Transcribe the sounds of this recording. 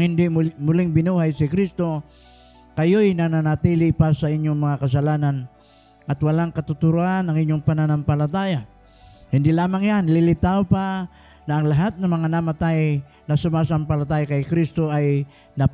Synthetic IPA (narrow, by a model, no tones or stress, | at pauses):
ɪnd̪ɪmulɪŋbɪnuɦajsikɾist̪o | kajojnananat̪ilɪpasaiɲjoŋmaŋakas̬alanan | ʔat̪walaŋkat̪ʊt̪uɾuanaŋiɲoŋpananampalat̪aja | hɪnd̪ɪlamaŋjanlɪlɪt̪aopa | naːŋlaɦat̪̚namaŋanamat̪aj | nasʊmas̬ampalat̪ajkajkɾist̪oaj | na